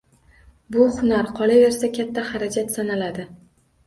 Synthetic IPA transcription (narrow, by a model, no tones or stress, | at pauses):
bʊhʊnaɾqʰɒlave̞ɾsakʲʰat̪ʰːahaɾad͡ʒat̪sanalad̪ɪ